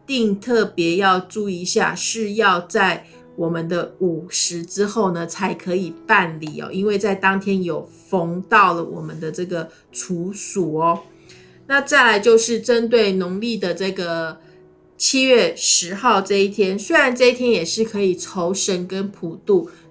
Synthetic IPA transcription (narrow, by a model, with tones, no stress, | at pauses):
t̪i˥˧ŋt̪ʰɤ˥˩pjɛ˧˥jɑ˥˧ʊʈ͡ʂu˥˩i˧ɕja̰˥˧ʂɻ̩˥˧jɑ˥˧ʊt͡sa˥˩ɪ | wɔ˨˩mə˦nd̪ə˧u˨˩ʂɻ̩˧˥ʈ͡ʂɻ̩˥xo˥˩ʊnə˩t͡sʰa˧˥ɪkʰɤ˧˥i˨˩pa˥˨nli˨˩ɔ̰˨˩ʔi˥nwe˥˧ɪt͡sa˥˩ɪt̪ɑ˥ŋt̪ʰjɛ˥njo˨˩ʊfɤ˥ŋt̪ɑ˥˩ʊlə˩wɔ̰˨˩mə˦nd̪ə˨ʈ͡ʂɤ˥˩ɡə˩ | ʈ͡ʂʰu˧˥su˨˩ɔ˦ | na˥˧t͡sa˥˩ɪla˧˥ɪt͡ɕjo˥˧ʊʂɻ̩˥˩ʈ͡ʂə˦˥nt̪we˥˩ɪnʊ˧˥ŋli˥˩d̪ə˩ʈ͡ʂɤ˥˩ɡə˩ | t͡ɕʰi˥ɥɛ˥˩ʂɻ̩˧˥xɑ˥˧ʊʈ͡ʂɤ˥˧i˥˩t̪ʰjɛ˥nswe˥ɪɻa˧˦nʈ͡ʂɤ˥˧i˥˩t̪ʰjɛ˥njɛ˨˩ʂɻ̩˥˩kʰɤ˧˥i˨˩ʈ͡ʂʰo˧˥ʊʂə˧˥nkə˦npʰu˨˩t̪u˥˩